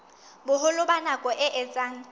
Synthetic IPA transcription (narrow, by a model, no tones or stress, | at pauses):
bʊɦʊlʊbanakʼɔʔɪʔɪt͡sʼaːŋ̩